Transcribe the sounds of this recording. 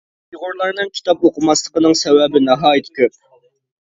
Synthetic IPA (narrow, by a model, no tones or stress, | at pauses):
iʁʊɾlˠɑɾnɨŋkʲʰi̥t̪ʰɑpoqʰəmɑslˠəqənɨŋsɛwɛbɪnɑɦɑːjit̪ʰkʲøp̚